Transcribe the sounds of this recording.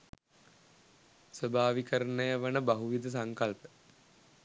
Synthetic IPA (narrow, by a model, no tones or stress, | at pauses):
səbʱaːʋikəɾənəjəʋənəbaɦuʋid̪əs̬aŋkalpə̥